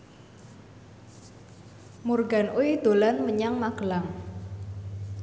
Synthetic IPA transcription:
murɡa̤nʔuid̪̥o̤lanməɲaŋmaɡ̥əlaŋ

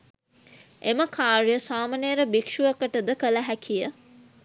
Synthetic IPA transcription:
eməkʰaːɾjəsaːmɐnejɾəbikʂuəkəʈəd̪əkələɦækʰijə

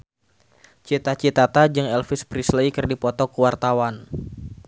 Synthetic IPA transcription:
t͡ʃit̪at͡ʃit̪at̪ad͡ʒəŋɛlfispɾislejkɨrdipɔt̪ɔkuwart̪awan

